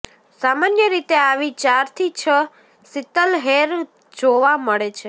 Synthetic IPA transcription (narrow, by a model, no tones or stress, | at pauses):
samanjəɾit̪eaʋit͡ʃaɾt̪ʰit͡ʃʰə | sit̪əlɦeɾ | d͡ʒoʋaməɭet͡ʃʰe